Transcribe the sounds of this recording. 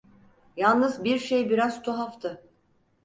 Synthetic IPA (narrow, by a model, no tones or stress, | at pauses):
jalˠnɯzbiɾʃejbiɾazt̪ʰuɦaft̪ʰɯ